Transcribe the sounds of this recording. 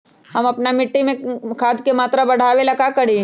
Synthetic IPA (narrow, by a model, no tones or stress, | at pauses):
ɦɐmɐpnamɪʈːimẽkʰaːd̪kemaːt̪ɾabɐɽ̤aːʋelɐkakɐɽi